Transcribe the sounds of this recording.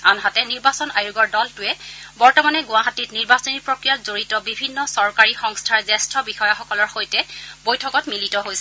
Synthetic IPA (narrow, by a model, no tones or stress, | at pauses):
anɦatɛniɹbasɔnajuɡɔɹdɔltʊɛbɔɹtɔmanɛɡʊ̃aɦatitniɹbasɔniɹpɹokɹijatzoɹitɔbibʱinːɔsɔɹkaɹixɔŋstʰaɹzɛstʰɔbixɔjaxɔkɔlɔɹxojtɛbojtʰɔkɔtmilitɔɦojsɛ